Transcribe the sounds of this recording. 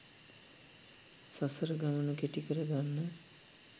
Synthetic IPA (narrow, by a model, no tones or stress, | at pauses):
sasəɾəɡamɐnukeʈikəɾəɡanːə